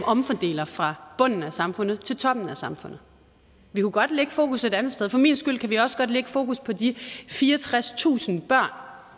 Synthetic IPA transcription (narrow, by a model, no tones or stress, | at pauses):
ɒ̽mfɒd̥e̝̰ːlɐfʁɑ̈b̥ɔ̽n̰n̩æsɑ̈mfɔ̽nð̞̩ˠt͡sʰe̝lt͡sʰɒ̽b̥n̩æsɑ̈mfɔ̽n̰ð̩ˠ | ʋikʰuɡ̥ɒ̽d̥leɡ̥əfo̝ːkʰuse̝d̥ænð̩ˠsteð̞ˠfɒ̽mḭːnsɡ̥yl̰kʰæʋiɒ̽sɡ̥ɒ̽d̥leɡ̥əfo̝ːkʰuspʰɒ̽difiːɐɒt͡sʰʁast͡sʰṵːsn̩b̥ɶɐ̰n